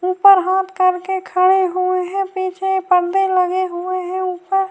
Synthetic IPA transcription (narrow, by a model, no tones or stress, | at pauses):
uːpəɾɦaːt̪kəɾkekʰəɽeɦueɦɛ̃piːt͡ʃʰepəɾd̪eləɡeɦueɦɛ̃uːpəɾ